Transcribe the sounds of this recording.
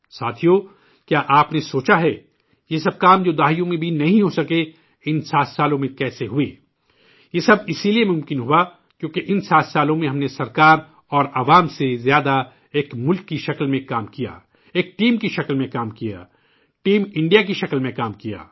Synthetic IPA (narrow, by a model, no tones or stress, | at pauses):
saːt̪ʰijo | kjaːʔaːpnesoːt͡ʃaɦɛː | jeːsɐb̚kaːmd͡ʒoːd̪aːɦijõmẽbʱinɐɦĩɦosɐke | ɪnsaːt̪ʰsaːlõmẽkɛːseɦʊeː | jeːsɐbɪsiliemʊ̃mkɪnɦua | kjõːkeʔɪnsaːt̪ʰsaːlõmẽɦɐmnesɐɾkaːɾ | ɔːɾaːʋaːmsezjaːd̪a | eːkmʊlkːiʃɐklmẽkaːmkija̰ː | eːk̚ʈiːmkiʃɐklmẽkaːmkija̰ː | ʈiːmɪ̃ɳɖijak̬iʃɐklmẽkaːmkija̰ː